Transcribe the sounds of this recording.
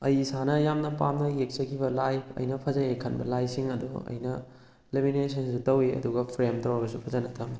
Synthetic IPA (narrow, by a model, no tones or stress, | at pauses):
ɐjsanɐjamnɐpamnɐjek̚t͡ʃɐkʰibɐlajɐ̰jnɐpʰɐzɐekʰɐnbɐ̰lajsiŋɐdṵɐ̰jnɐ | leminesʰɐnsutɐwiɐ̰duɡɐpʰɾemtɐwɐbɐsupʰɐzɐnɐtʰɐm